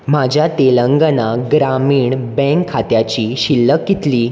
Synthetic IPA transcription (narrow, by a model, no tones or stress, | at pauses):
m̤ad͡ʑʱjat̪eləŋɡənaɡɾamiːɳbɛ̃ŋkʰːat̪jat͡ɕiːɕilːəkːit̪liː